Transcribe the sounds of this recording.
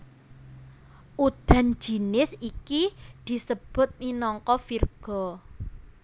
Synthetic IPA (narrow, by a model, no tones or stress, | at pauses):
ʔud̪̥a̤n̥d͡ʒ̥i̤nɪsikid̪̥i̤səb̥ʊ̤t̪̚minɔŋkɔfirɡ̥ɔ̤